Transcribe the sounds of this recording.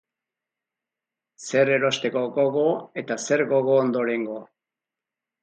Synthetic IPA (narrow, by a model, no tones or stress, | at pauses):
se̞ɾe̞ɾo̞st̪e̞koɡo̞ɣo̞e̞t̪ase̞ɾɡo̞ɣ̞o̞ːnd̪oɾe̞ŋɡo